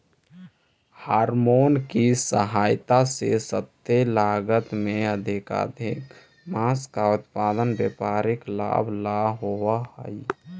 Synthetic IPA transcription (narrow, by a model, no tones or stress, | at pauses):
haːɾmonkisəɦaːjt̪asḛsət̪ːelaːɡət̪mẽəd̪ʱɪka̰d̪ʱɪk | maskaʊt̪paːd̪ənbjepaːɾɪkla̰ːbʱlaːɦoʋahə̰j